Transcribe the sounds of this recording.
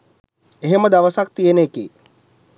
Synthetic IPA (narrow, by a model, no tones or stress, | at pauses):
eɦeməd̪aʋəsak̚t̪ijenekḭː